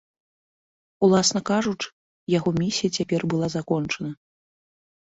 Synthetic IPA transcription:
ulˠasnɐkaʐut͡ʂ | jaɣɔmʲisʲijɐt͡sʲapʲɛrbɨlˠazakɔnt͡ʂɐnɐ

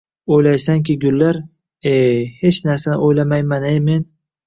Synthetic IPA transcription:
ojlajsaŋkʲʰɪɡʲʊlːaɾ | ehe̞t͡ʃnaɾsanɪ̰ʔojlamajmanejme̞n

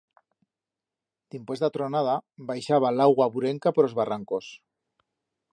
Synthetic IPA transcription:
t̪impwe̞zðat̪ɾonað̞aβajʃaβ̞alawɣwaβuɾeŋkapoɾozβaraŋkos

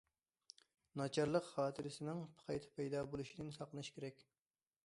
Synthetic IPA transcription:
nɑt͡ʃʰɑɾlˠəqχɑːt̪ʰɨɾɪsɪnɪŋpʰə̥qʰɑjt̪ʰɪ̥pʰɛjd̪ɑːbolˠuʃid̪nɪsɑqlˠənɨʃi̥kʲʰeɾɛkʲ

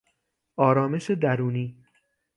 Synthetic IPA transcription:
ʔɒːɾɒːme̞ʃed̪æɾuːniː

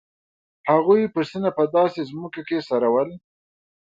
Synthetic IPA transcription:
haɣujpəsinapəd̪ɑsezmʊkakesaɾawəl

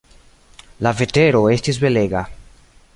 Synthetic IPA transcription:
lave̞teɾo̞e̞stis̬be̞leɡa

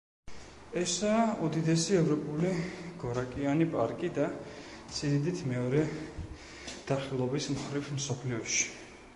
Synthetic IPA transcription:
ɛsaːud̪id̪ɛsiɛvɾɔpʼuliɡ̥ɔɾakʼianipʼa̰ɾkʼid̪a | t̪sʼiɾid̪it̪ʰmɛɔɾɛ | d̪̥aχilˠɔbismχɾivmsɔpʰliɔʃi̥

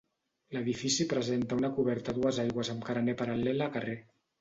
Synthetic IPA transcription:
ləðifisipɾəzent̪əunakuβɛɾt̪aðuəzajɣwəzəmkaɾanepaɾalɛlakare

